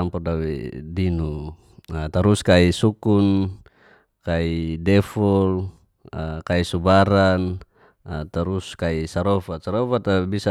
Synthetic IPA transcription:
ampɔrdawɛ̰dinu | t̪aɾuskaisukun | kaidɛfɔl | kaisubaɾan | at̪aɾuskaisaɾɔfat̪̚saɾɔfat̪abisa

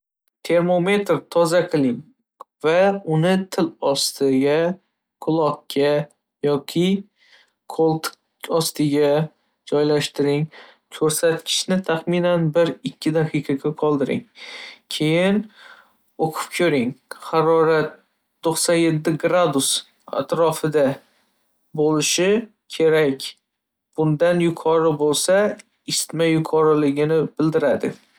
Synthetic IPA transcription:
t̪ʰe̞ɾmo̞me̞t̪ɾt̪ʰɒzaqʰɨlˠɪŋ | vaʊnɪt̪ʰɪlɒst̪ʰɪɡʲa | kʰʊlˠɒkːʲa | jɒkʲʰɪ | kʰolˠt̪ | ɒst̪ʰɪɡʲa | d͡ʒɒjlaʃt̪ɪɾɪŋ | kʰɵɾsat̪kʲʰɪ̥ʃnɪt̪ʰaχmɪnanbɪɾɪkʲːɪd̪aqʰɨqʰɑɡʲaqʰɒlˠd̪ɪɾɪ̰ŋkʲʰe̞jɪn | oqʰʊ̥p̚kʲʰɵɾɪŋhɑɾɒɾat̪̚ː | oχsɒnje̞t̪ːɪɡɾad̪ʊs | a̰t̪ɾɒfɪd̪a | bolɪʃɪ | kʲʰe̞ɾakʲ | b̥ʊnd̪anjʊqʰɒɾɪbolˠsa | ɪst̪majʊqʰɒɾɪlɪɡʲɪnɪb̥ɪld̪ɪɾad̪ɪ̰

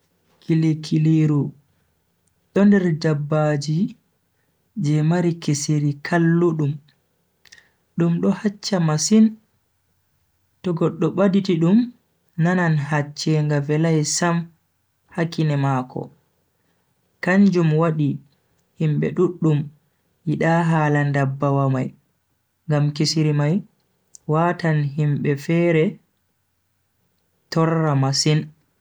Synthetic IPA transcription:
kʰilekʰileɾu | ɗɔndɛɾd͡ʒabːad͡ʒi | d͡ʒɛmaɾikeseɾikʰalːuɗum | ɗumɗɔhat͡ʃːamasin | tɔɡɔɗːɔɓaditiɗum | nananɦat͡ʃːɛŋɡavɛlajsam | hakːinɛmakɔ̰ | kaɲd͡ʒumwaɗi | himɓɛ̰ɗuɗːum | jiɗaːɦaːlandabːawamaj | ŋɡamkisiɾimaj | waːtanɦimɓɛfɛɾɛ | tɔɾːamasin

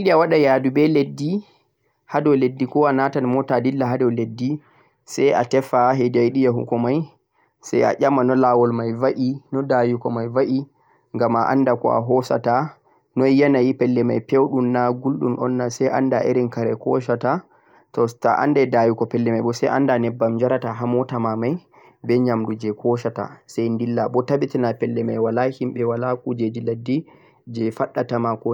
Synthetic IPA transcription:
iɗiawaɗajadubɛledːi | hadɔwledːikɔanatanmɔtadilːaɦadɛwledːi | saja̰tɛfaɦedajɗijaɦṵkɔmaj | sɛ̰ja̰ʄamanɔlawɔlmajvaʔinɔdajukɔmajvaʔi | ŋɡamaʔa̰ndakɔ̰a̰ɦɔsa̰ta | nɔjanajipɛlːɛmajpɛwɗumnaɡulɗṵnʔɔ̰nːasɛjʔa̰ndaʔḛɾinkaɾɛkɔ̰ʃ̬ata | tɔta̰ʔa̰ndɛdajukɔpɛlːɛmajbɔsɛ̰jʔa̰ndanɛbːamd͡ʒaɾataɦamɔtamamaj | bɛɲamdud͡ʒɛkʰɔʃata̰sajndilːabɔtabitinapɛlːɛmajwalahimɓɛwalakud͡ʒed͡ʒiladːi | d͡ʒɛfaɗːatamakɔ

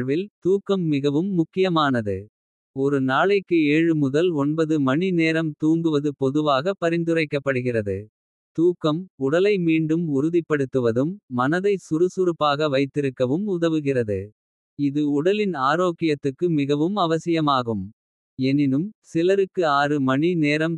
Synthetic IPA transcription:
ʋɪlt̪uːkːɐmːɪɣɐʋɯmːʊkːɪjɐmaːnɐðɯ̰ | ɔɾɯnaːɭɐɪkːɯeːɻɯmʊðɐlɔɳbɐðɯmɐɳineːɾɐmt̪uːŋɡɯʋɐðɯpɔðɯʋaːɣɐpːɐɾɪnd̪ɯrɐɪkːɐpːɐɽɯɣɪrɐðɯ̰ | t̪uːkːɐmʊɽɐlɐɪmiːɳɖɯmʊɾʊðɪpːɐɽɯt̪ːɯʋɐðɯmːɐnɐðɐɪsʊɾɯsʊɾɯpːaːɣɐʋɐɪt̪ːɪɾɯkːɐʋɯmʊðɐʋɯɣɪrɐðɯ̰ | ɪðɯʊɽɐlɪnaːɾoːkɪjɐt̪ːɯkːɯmɪɣɐʋɯmɐʋɐsɪjɐmaːɣɯm | ɛnɪnɯmsɪlɐɾɯkːɯaːrɯmɐɳineːɾɐm

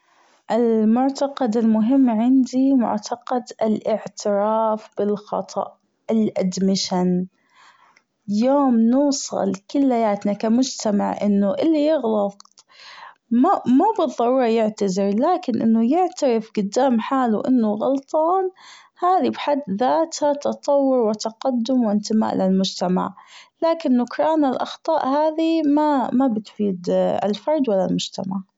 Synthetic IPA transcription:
ʔɪlmʊʕt̪aqɑd̪ɪlmʊɦɪmːʕɪnd̪imʊ̰ʕt̪ʰaqɑd̪ɪlʔɪʕt̪ʰɪɾaːfb̥ɪlxɑt̪ˤʰɑ̰ʔ | ɪlʔad̪mɪʃan | joːmnuːsˤɑ̰lkɪlːajaːt̪nakamʊd͡ʒt̪ama̰ʕʔɪnːuʔɪlːijɪɣlɑt̪̚ˤ | mamubɨðˤːɑɾˤuːɾˤɑjɪʕt̪azɪɾlaːkɪnʔɪ̰nːʊjɪʕt̪aɾɪfɡʊd̪ːaːmħaːluʔɪnːʊɣɑ̰lt̪ˤɑːn | haːðibħad̪ːðaːt̪hat̪ɑt̪ˤɑwːʊɾwɪt̪ɑqad̪ːʊmwɪnt̪ɪma̰ːʔlɪlmʊd͡ʒt̪ama̰ʕlaːkɪnːʊkɾˤɑːnalʔɑxt̪ˤɑːʔhaːðimamabɪt̪fiːd̪a̰lfɑɾˤd̪walːalmʊd͡ʒt̪amaʕ

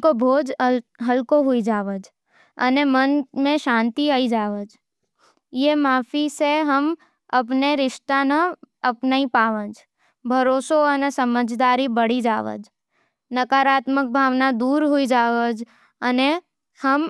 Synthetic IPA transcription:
kobʱoːd͡ʒɦəlkoɦʊid͡ʒaːʋəd͡ʒ | ə̰nemənmẽʃãːnt̪iaːid͡ʒaːʋəd͡ʒ | jemaːfʰiseɦəm | ɐpneɾɪʃʈ̪anəɐpnaipaːʋə̃d͡ʒ | bʱəɾoːsoənesəməd͡ʒʱd̪aːɾibəɽ̤id͡ʒaːʋə̰d͡ʒ | nəkaːɾaːt̪mək̚bʱaːʋnad̪uːɾɦuid͡ʒaːʋəd͡ʒ | əne | həm

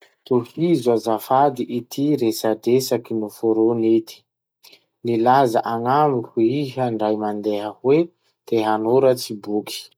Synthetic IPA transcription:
t̪uhizuazafad̪iʔit̪ʰiɾesadesakinufoɾonit̪i̥ | nilazaʔaŋamikuiɦəɳɖ͡ʐajmand̪eɦəhwe | d̪̥eɦanoɾət͡sibuki̥

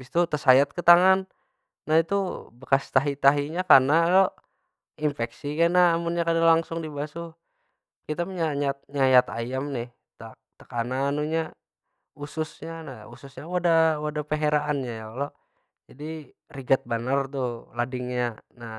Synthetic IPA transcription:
bist̪ut̪əsajat̪̚kət̪aŋanː | ait̪ubəkast̪aɦit̪aɦiɲakarnalɔʔ | imfɛksikanaːmunɲakadalaŋsʊŋdibasu | kit̪apəɲaɲat̪̚ɲajat̪a̰jamnɪh | t̪at̪əkananuɲa | usʊsɲana̰ṵsʊsɲawadawadapəɦeɾaʔanɲajalɔʔ | d͡ʒadiriɡat̪̚banart̪uladɪŋɲana

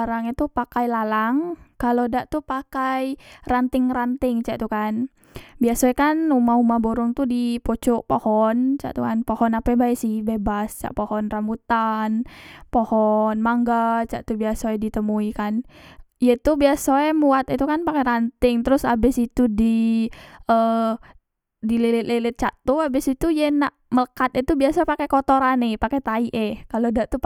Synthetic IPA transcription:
aɾaŋit̪upakajlalaŋkalodaʔt̪upakajrant̪ɪŋrant̪ɪŋt͡ʃa̰ʔt̪ukan | biasɛkanumaumaboɾʊŋt̪udipot͡ʃɔʔpohɔnt͡ʃa̰ʔt̪ukanpohɔnapɛbaɛsɪhbebast͡ʃa̰ʔpohɔnrambut̪anpohɔnmaŋɡat͡ʃa̰ʔt̪ubiasoɛdit̪əmuikan | ijet̪ubiasoɛmuat̪it̪ukanpakeɾant̪ɪŋt̪əɾʊsabɪsit̪udi | ə | dilelɪt̪̚lelɪt̪̚t͡ʃaʔt̪uabɪsit̪ujenaʔmələkat̪̚ɛt̪ubiasaɛpakɛkot̪oɾanɪpakɛt̪aiʔɛkalodaʔt̪u

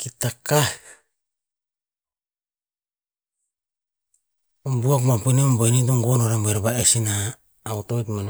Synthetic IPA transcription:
kitaka | ombuakmapinembanit̬oŋɡonoɾambeɾbaesinaː | utojtman

